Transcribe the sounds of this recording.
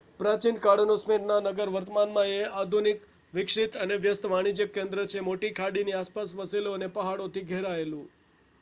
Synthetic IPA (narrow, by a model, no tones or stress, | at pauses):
pɾat͡ʃinkaɽənosmeɾnanəɡəɾʋəɾt̪əmanmãead̪ʱunik | ʋɪkʂit̪əneʋjəst̪ʋaɽ̃id͡ʒəkːẽnd̪ɾət͡ʃʰemoʈikʰaɽiniaspasʋəsiloənepəɦaɽot̪ʰiɡʱeɾaelũ